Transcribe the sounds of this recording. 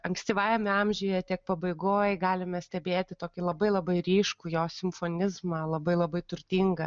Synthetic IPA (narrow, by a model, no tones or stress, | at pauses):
ɐŋksʲt̪ʲiːʋɑːjɛmʲɪɐmʲʒʲʊjjɛt̪ʲiɛk̚pɐbɐɪɡoːjɡɑːlʲɪmʲɛsʲt̪ʲɛbʲeːt̪ʲɪt̪oːkʲɪlˠɐbɐɪlˠɐbɐɪɾʲiːʃkuːjoːsʲɪmfoːnʲɪzmɐlˠɐbɐɪlˠɐbɐɪt̪ʊrʲt̪ʲiŋɡɐ